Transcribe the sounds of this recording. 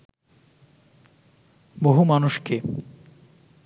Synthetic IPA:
boɦumanuʃke

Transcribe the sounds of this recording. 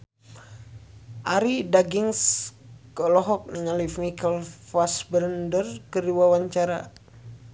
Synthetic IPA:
ʔaɾidaɡiŋskɔlɔɦɔk̚niŋalifmikəlfasbɾəndərkəɾiwawaɲt͡ʃaɾa

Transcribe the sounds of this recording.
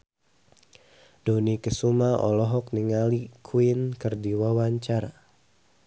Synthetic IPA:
d̥onikəsumaʔɔ̰lɔɦɔk̚niŋalikʰuinkərdiwawaɲt͡ʃaɾa

